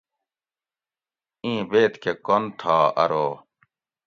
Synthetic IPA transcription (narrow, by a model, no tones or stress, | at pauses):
ĩːbeːt̪kekont̪ʰaːɐ̰ɾoː